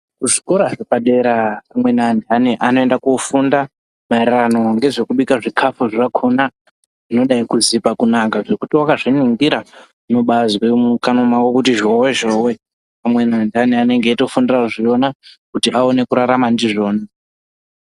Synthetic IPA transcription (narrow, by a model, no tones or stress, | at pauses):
kuʐikoɾaʐepaɗe̞ɾaamwe̞nandaniʔano̞endakofunda | mairrano̞ŋɡe̞ʐe̞kuɓikaʐikʰafuʐirakʰona | ʐino̞ɗaikuzipakunakaʐe̞kutiwakaʐiniŋɡiɾa | noɓazwemukano̞mawokutiʒoweʒowe | pamwe̞nandaniane̞ŋɡeːto̞fundiraʐio̞nakutiʔaone̞kuɾaɾamandiʐo̞ːna